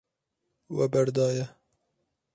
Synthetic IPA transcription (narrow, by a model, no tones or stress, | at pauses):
wɛbɛɾd̪ɑːjɛ